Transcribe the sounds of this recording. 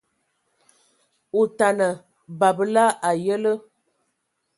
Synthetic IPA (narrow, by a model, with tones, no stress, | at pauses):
u˨ta˨nə˨ | ba˨bə˦la˦ʔa˨jə˦lə˦